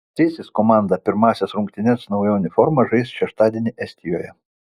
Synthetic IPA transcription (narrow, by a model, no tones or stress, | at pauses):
sʲɛːsʲɪskɔmɑˑnd̪ɐpʲɪɾmɑːsʲɛsɾʊŋkt̪ʲɪnʲɛsnɐʊjɛnʲɪfɔɾmɐʒɐɪsʃʲɛʃt̪ɑːd̪ʲiɛnʲɪʔɛsʲt̪ʲɪjoːjɛ